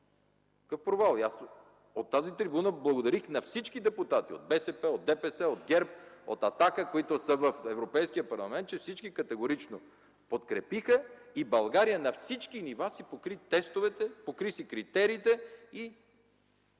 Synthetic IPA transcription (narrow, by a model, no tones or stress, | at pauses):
kkəfpɾovalˠias | ot̪ːazit̪ɾibunəblˠɐɡod̪ɐɾixnɐfsit͡ʃkid̪ɛput̪at̪io̰d̪̚bɛsɛpɛod̪̚d̪ɛpɛsɛod̪ɡɛɾp̚o̰t̪ɐt̪akəkoit̪ʊsəvəfɛvɾopɛjskijəpɐɾlˠɐmɛ̃nt̪̚t͡ʃɛfsit͡ʃkikɐt̪ɛɡoɾit͡ʃno | pot̪kɾɛpixəibɐlˠɡaɾijənɐfsit͡ʃkinivasipokɾit̪ɛst̪ovɛt̪ɛpokɾisikɾit̪ɛɾiːt̪ɛi